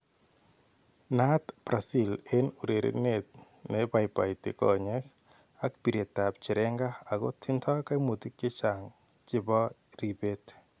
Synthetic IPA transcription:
na˦t̪b̥ɾa˨si˦le˦nu˨ɾe˨ɾḛ˨ne˨t̪̚ | nɛ˨ba˨jpa˨itɪ̰˨kɔ̰ɲɛ˦k | a˦k̚pi˨ɾe˨ta˨p̚t͡ʃɪ˨ɾɛ˦ŋɡa˦a˨ɡɔ̰˦tʰɪ˦ntʰɔ˦ka˦mo˨t̪i˦kɪ˦t͡ʃa˨ŋ | t͡ʃɪ˦bɔ˦ | ɾi˨be˦t

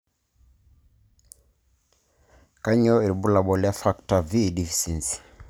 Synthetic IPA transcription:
ka˦ɲɔ˦e˨i˨bu˦la˨bɔ˨lja˦fa˦kta˨vi˦˨di˨fi̥˨si˨nsi̥˨

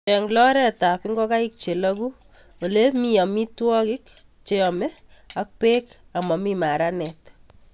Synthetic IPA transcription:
t͡ʃɛŋɡlɔ˦ɾɛta˨pɪ˦ŋɡo˦ka˦ik̚t͡ʃe˨laku | o˨le˦mijɔ˨mi˦twɔ˦kɪk̚ | t͡ʃeɔme˦a˦k̚peka˨mɔ˨mima˨ɾanɛt

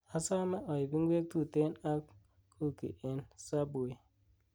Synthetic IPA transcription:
a˨sa˦me˦ʔɔ˨i˨bi˦ŋ˦ɡʷe˦k̚tu˦˨te˦na˦k | kʰu˦kḭ˨ʔe˨nsa˦bo˨i˨

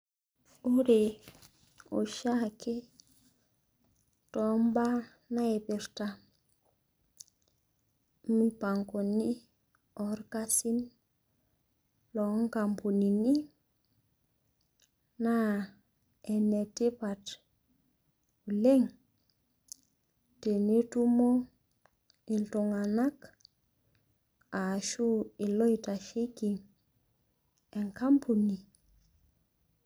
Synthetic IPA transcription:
u˦ɾe˨ | o̰˨ʃa˦kʰe˦ | tɔ˨mba˦ | na˦e˨be˨ɾta | mipa˨ŋko˨ni˦ | ɔ˨ɾka˦si˦n | lɔ˨˦ŋka˨mpu˨ni˨ni˦ | na˦ | ɛ˨nɛ˨te˦pa˨t | u˨le˦ŋ | te˨ne˦tu˦mo˦ | i˨ntu˨ŋa˨na˦k | a˨ʃu˦ɪ˨lɔ˦ita˨ʃe˦ki˨ŋ | ɛ˨ŋka˦mpu˨ni˨

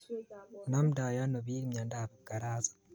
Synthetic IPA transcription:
na˦m˨da˨ja˦no˨βi˦ɾi˦mɲa˨ndaaβaɡa˨ɾa˦zḁ˨

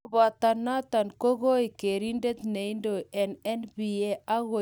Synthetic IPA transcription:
βa˨t̪a˨nːa˦t̪a˨nko˦ɣo˦i˨ke˨ɾi˦nde˦t̪ne˨i˦ndo˨ʔɛ˨nɛ˦nbi˨e˦a˦ɣo˨

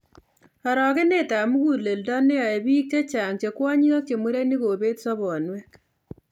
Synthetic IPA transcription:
a˨ɾɔ˨ke˦ne˦˨ta˨mu˦ku˨le˨ldɔ˦ne˦a˨e˨bi˦k̚t͡ʃe˦t͡ʃa˨ŋt͡ʃe˨kwɔ˦ɲi˦ɔ˦k̚t͡ʃe˨mu˦ɾe˦ni˦koː˨be˦tsɔ˦bɔ˨nwɛ˦

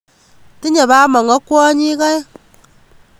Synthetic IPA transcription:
ti˦ɲa˨βa˦mɔ˨ŋɔ˦kwɔ˦ɲi˦ka˦j

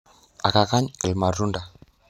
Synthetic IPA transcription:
a˨ka˨ka˦ɲe˨lma˨runda˨

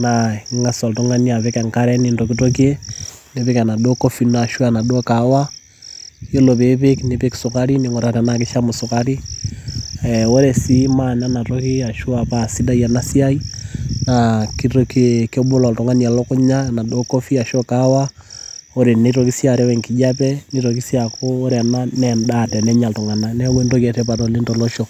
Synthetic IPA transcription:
naŋŋɡasɔ˨ltoŋania˨βeka˨ŋkaɾɛni˨ndo˨kitok̬ene˨βekana˨doko˦fina˨ʃwana˨dokawa | jo˦lo˨βeβekneβeki̥sokaɾineŋo˨ɾa˨ɾanake˦ʃamo˨so˨kaɾi | ɛwo˦ɾɛsimana˦na˨toki˦a˨ʃu˦aβasi˦da˦ia˨nasiainaki˦ɾokkɔ˦ɓo˦lɔ˨ltɔ˨ŋa˦n˨a˨lɔ˦kʊ˦ɲa˦na˨do˦ko˦fi˦a˨ʃɔ˦kawa˦ | o˦ɾe˨ne˦ɾo˨ki˦sja˨ɾɛ˦wɛ˨ŋki˨d͡ʒa˦pɛ˦ne˦ɾo˨k̬i˦sjakoː˦ɾa˨na˦nɛndatɛ˨nɛ˦ɲa˨ltɔ˨ŋa˨na˨nɛ˦we˦nto˦kɛ˨tɛ˦pa˨to˨li˦ntɔ˨lo˦ʃo˨

